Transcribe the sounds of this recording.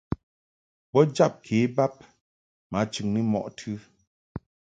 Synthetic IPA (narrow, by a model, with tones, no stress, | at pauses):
bɔ˦d͡ʒa˦˨p̚kʰe˨˦ba˦p̚ | ma˨˦t͡ʃʉ˨ŋnɨ˦mɔ̰˨ʔtʰʉ˦